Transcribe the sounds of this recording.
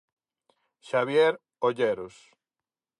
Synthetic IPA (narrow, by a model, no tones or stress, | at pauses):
ʃaβjeɾ | oʎeɾos